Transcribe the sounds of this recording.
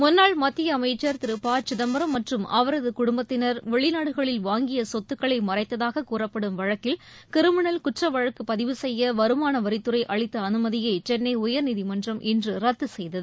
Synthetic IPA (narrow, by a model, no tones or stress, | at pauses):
mʊnːaːɭmɐt̪ːɪjɐːmɐɪt͡ʃːɐɾt̪ɪɾɯpaːt͡ʃɪðɐmbɐɾɐmːɐʈrɯmɐ̰ʋɐɾɐðɯkʊɽʊmbɐt̪ːɪnɐɾʋɛɭɪnaːɽɯɣɐɭɪlʋaːŋɡɪjɐsɔt̪ːɯkːɐɭɐɪmɐrɐɪt̪ːɐðaːɣɐkuːrɐpːɐɽɯmʋɐɻɐkːɪl | k̪ɪɾɯmɪɳɐlkʊʈrɐʋɐɻɐkːɯpɐðɪʋɯsɛjːɐʋɐɾɯmaːnɐʋɐɾɪt̪ːɯrɐɪʔɐɭɪt̪ːɐːnɯmɐðɪjɐɪt͡ʃɛnːɐɪʊjɐɾnɪðɪmɐndrɐmʔɪndrɯɾɐt̪ːɯsɛjðɐðɯ